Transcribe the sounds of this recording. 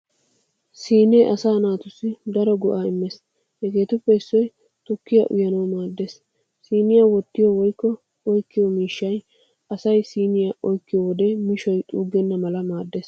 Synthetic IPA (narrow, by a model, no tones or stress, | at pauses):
siːneːʔɐsaːnaːt̪ʊsːɪd̪ɐɾɔɡʊʔaːɪmːɛs | hɛɡe̞ːt̪ʊpːɛɪsːɔj | t̪ɔkːɪjɐ̰ʔʊ̰jɐnɐwmaːd̪ːeːs | siːnɪjawɔt̪ːɪjɔwɔjkːɔ | ɔjkːɪjɔmiːʃːɐj | ʔɐsɐjsiːnɪjaʔɔjkːɪjɔwɔd̪ɛmɪʃɔjt̪ʼuːɡɛnːɐmɐlɐmaːd̪ːeːs